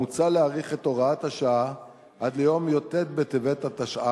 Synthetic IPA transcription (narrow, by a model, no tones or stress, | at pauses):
ut͡saleaʁiχeto̞ʁaat̪haʃaa | ʔad̪lejo̞mjo̞te̞t̪̚bet̪evet̪at̪aʃa